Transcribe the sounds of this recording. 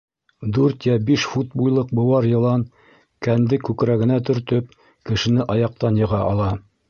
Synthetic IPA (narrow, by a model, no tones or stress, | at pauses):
d̪ʉɾt̪jæbiʃfut̪̚bujlˠɤq̚bɤ̆wɑɾjɤ̆lˠɑn | kænd̪ɘkʉkɾæɡɘ̆næt̪ɵ̆ɾt̪ɵp̚ | kɘ̆ʃɘ̆nɘʔɑjɑq̚t̪ɑnjɤ̆ʁɑʔɑlˠɑ